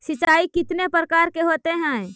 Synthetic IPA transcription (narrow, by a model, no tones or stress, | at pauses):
ʃɪt͡ʃaːikɪt̪nepɾəkaːɾkeɦoːt̪eɦɛ̃ː